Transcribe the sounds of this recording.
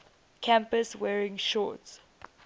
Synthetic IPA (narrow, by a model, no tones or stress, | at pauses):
kʰæ̃mpəswɛːɹɪ̃ŋʃɔ̰ts